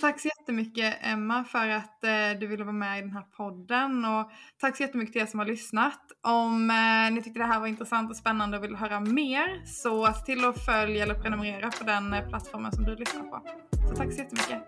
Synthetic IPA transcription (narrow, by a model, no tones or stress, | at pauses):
t̪ʰakːsɔjɛt̪ːəmʏkːəʔɛmːafœɾat̪d̪ɵvɪlːəvɑːɾmɛɪd̪ɛnɦæːɾpʰɔd̪ːənɔt̪ʰakːsɔjɛt̪ːəmʏkːət̪ʰɪleːsɔmhaɾɭʏsnat̪ʔɔmnɪt̪ʰʏk̚t̪əd̪ɛɦæːɾvaɾɪnt̪ɾɛsant̪ɔspɛnːand̪əɔvɪlːəɦœːɾameːɾsɔḁt̪ʰɪlːɔfœljaɛlːəɾpʰɾɛnɵmɛɾeːɾapʰɔd̪ɛnpʰlat̪ːfɔɾmə̰nsɔmd̪ɵlʏsna̰ɾpʰɔ̰ | sɔt̪ʰakːsɔjɛt̪ːəmʏkːə